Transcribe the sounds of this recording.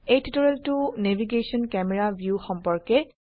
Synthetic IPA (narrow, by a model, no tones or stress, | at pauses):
ejtitɔɹɛltʊnebʱiɡesɔnkɛmɛɹabʱjuxɔmpɔɹkɛ